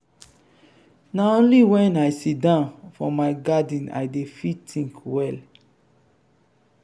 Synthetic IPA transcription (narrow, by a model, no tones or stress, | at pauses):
naõnliwɛ̃najsidãʊ̃nfɔmaɪɡadĩna̰jdefitʰĩŋkwɛl